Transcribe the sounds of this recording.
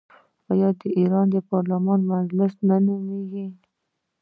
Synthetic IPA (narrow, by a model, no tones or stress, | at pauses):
wɑjɑd̪əiɾɑnd̪əpɑɾlamɑnmad͡ʒlɪsnanumeɡi